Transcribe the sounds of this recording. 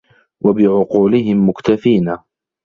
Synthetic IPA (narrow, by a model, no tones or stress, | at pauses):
wʔabɪʕʊquːlɪɦɪmːʊkt̪afiːna